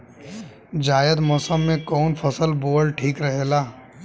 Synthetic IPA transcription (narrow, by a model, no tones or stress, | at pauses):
d͡ʒaːjəd̪mɔːsəmːẽkɔːnpʰɐsəlboːɽʈʰiːkɾɐɦelaː